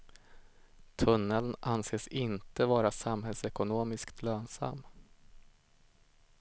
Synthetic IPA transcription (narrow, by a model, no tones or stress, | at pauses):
t̪ʰɵnːəlnʔanseːsɪnt̪əvɑːɾasamɦɛlsɛkʊnoːmɪskt̪ʰløːnsa̰mː